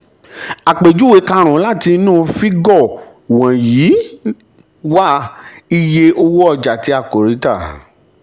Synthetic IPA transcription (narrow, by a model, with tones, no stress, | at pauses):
a˨k͡pe˨d͡ʒu˦we˨˦ka˧ɾ̃ũ˨˦la˦˨ti˧nũː˦˨fi˦ɡɔ˦˨ | wã˨jiː˨˦ | wa˦i˧je˧ʔo˧wo˦ɔ˧˨d͡ʒa˨ti˧˦a˦˨ko˨ɾi˨˦ta˦˨